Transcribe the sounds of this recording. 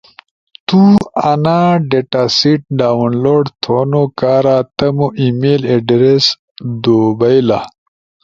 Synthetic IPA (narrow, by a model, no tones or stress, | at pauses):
t̪uanaɖeʈasiʈ̚ɖaːwnloːɖt̪ʰoːnokaːɾat̪ɐmoʔimeːleɖɾes | d̪obajla̰